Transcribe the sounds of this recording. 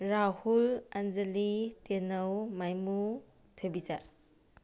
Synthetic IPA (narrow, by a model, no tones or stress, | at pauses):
ɾahuland͡ʒelitenɐwmajmu | tʰobiza